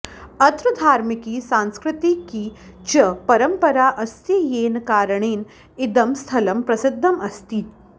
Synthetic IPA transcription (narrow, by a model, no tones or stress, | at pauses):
ɐt̪ɾəd̪ʱaːɾmikiːsãnskɾɪt̪ikiː | t͡ʃɐpɐɾəmpəɾaʔɐst̪ijeːnkaːɾəɳ̃iːn | id̪ɐmst̪ʰɐləmpɾɐsɪd̪ʱːɐmɐst̪iːt̪